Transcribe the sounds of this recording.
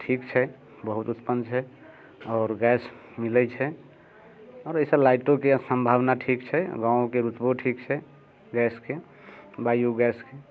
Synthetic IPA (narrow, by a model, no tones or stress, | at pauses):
ʈʰikt͡ʃʰɛ | bəɦut̪ut̪pənt͡ʃʰɛ | ɔːɾɡɛs | milɛt͡ʃʰɛ | ɔːɾəisəlaɪʈõkesəmbʱaʋnaʈʰikt͡ʃʰɛɡãõkeɾut̪boʈʰikt͡ʃʰɛ | ɡɛske | bajuɡɛske